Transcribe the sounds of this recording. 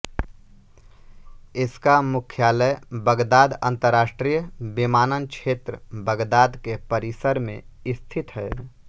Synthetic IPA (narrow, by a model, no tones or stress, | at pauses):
ɪskamʊkʰjaːləjbəɡd̪aːd̪ə̰̃nt̪əɾaːsʈɾijəbimaːnənkt͡ʃʰeːt̪ɾəbəɡd̪aːd̪kepəɾisəɾmḛ̃ | ɪst̪ʰit̪ɦɛ